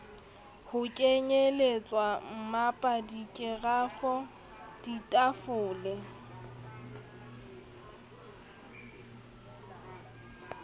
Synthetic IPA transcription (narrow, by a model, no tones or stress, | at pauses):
hʊkʼeɲelet͡sʼwam̩mapʼadikʼɪɣafɔ | d̥itʼafʊːlɛ